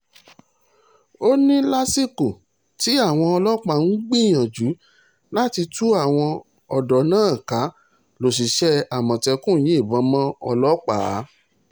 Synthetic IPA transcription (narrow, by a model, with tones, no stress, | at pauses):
o˦nĩ˦la˦si˦ko˨ | ti˨˦a˦˨w̃ɔ̃˧ɔ˧lɔ˦k͡pa˦n̩˦ɡ͡bĩ˦˨j̃ã˨d͡ʒu˨˦ | la˦ti˧tu˦a˦˨w̃ɔ̃˧ | ɔ˨dɔ˨nãː˦˨ka˨˦ | lo˨s̬i˨ʃɛ˦a˨mɔ̃˨tɛ˧kũ˦˨j̃ĩ˨˦i˦˨bɔ̃˨˦mã˦ɔ̰˧lɔ˦k͡pa˨˦